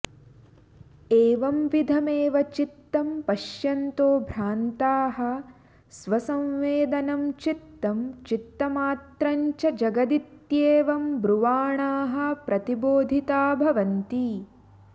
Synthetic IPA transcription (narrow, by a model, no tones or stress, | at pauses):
eːʋɐmʋid̪ʱɐmeːʋɐt͡ʃit̪ːɐmpɐʃjɐnt̪oːbʱɾaːnt̪aːɦɐ̆ | sʋɐsɐ̃mʋeːd̪ɐnɐmt͡ʃit̪ːɐmt͡ʃit̪ːɐmaːt̪ɾɐɲt͡ʃɐd͡ʒɐɡɐd̪it̪jeːʋɐmbɾuʋaːɳaːɦɐ̆pɾʔɐt̪iboːd̪ʱit̪aːbʱɐʋɐnt̪i